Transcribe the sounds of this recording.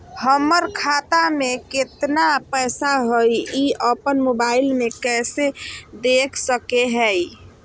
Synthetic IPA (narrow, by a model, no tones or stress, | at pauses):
həməɾkʰat̪ameket̪napəsaɦojiəpənmobailmekɛsed̪ekʰsəkeɦɛj